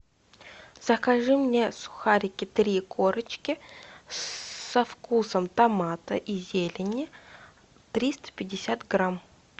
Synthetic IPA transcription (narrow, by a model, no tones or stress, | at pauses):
z̥əkɐʐɨmnʲesʊ̥xaɾʲɪkʲɪt̪ɾʲikʰoɾət͡ɕkʲɪ | sɐfkusəmt̪ɐmat̪ə̰ʔizʲelʲɪnʲɪ | t̪ɾʲist̪ə̥pʲɪdʲɪsʲat̪ɡɾam